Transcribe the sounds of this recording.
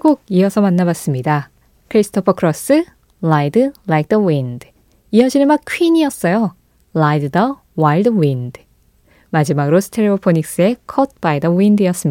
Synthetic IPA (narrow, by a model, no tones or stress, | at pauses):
ɡoɡ̚iʌsʰʌmanːabas͈ɯmɲida | kʰɯɾisʰɯ̥tʰopʰʌkʰɯɾʌs͈ɯ | lajdɯlajk̚dʌwind | iʌd͡ʑiɾmak̚kʰwɥiɲiʌs͈ʌjo | lajdɯdʌ | waɭdwind | mad͡ʑimaɡɯɾosʰɯ̥tʰeɾebopʰoɲik̚s͈ɯe̞kʰʌt̚paidʌwindiʌs͈ɯm